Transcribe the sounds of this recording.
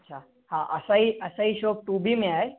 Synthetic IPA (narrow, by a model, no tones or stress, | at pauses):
ətːɕʰa | hãʔə̰saɦiːʔəsaɦiːɕoːk̚ʈubʱiːmeae